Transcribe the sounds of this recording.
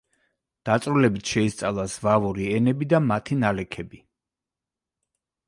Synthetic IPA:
d̪̥at̪sʼɾulɛbit̪ʰʃɛist̪sʼalˠasvavuɾiɛnɛbid̪amat̪ʰinalɛkʰɛbi

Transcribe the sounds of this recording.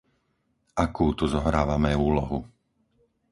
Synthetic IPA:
ʔakuːt̪uzɔɦɾaːʋamɛuːlɔɦu

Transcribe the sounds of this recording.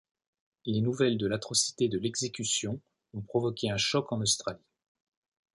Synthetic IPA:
lenuvɛld̪əlat̪χɔsi̥t̪ed̪əlɛɡzekʲysjɔ̃ | ɔ̃pχɔvɔkʲeɛ̃ʃɔkɑ̃nost̪χali

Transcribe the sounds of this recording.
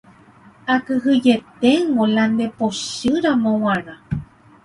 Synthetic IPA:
akɨɦɨd͡ʒe̞t̪eŋɡoland̪epoʃɨɾamõw̃ãɾ̃ã

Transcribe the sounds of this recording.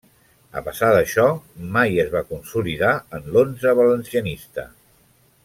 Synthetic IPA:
ə̰pəsaðəʃɔmajəzβakunsuliðaənlonzəβələnsiənist̪ə

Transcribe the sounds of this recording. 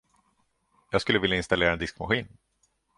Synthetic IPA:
jɑːɡskɵlːəvɪljaɪnst̪aleːɾaɛnɪskmaɧiːn

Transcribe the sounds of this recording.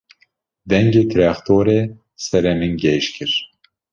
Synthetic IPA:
d̪ɛŋɡeːt̪ʰɾɑːxt̪ʰoːɾeː | sɛɾɛmɨŋɡɛʃkʰɨɾ

